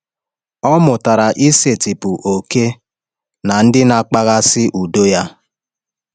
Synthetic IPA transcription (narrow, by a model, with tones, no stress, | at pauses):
ɔ˦mʊ˨ta˨ɾa˨ʔi˦se˨ti˨pʊ˨ʔo˨ke˦ | na˨n̩˦dɪ˦na˨k͡pa˦ɣa˦sɪ˦ʔu˨do˦ja˦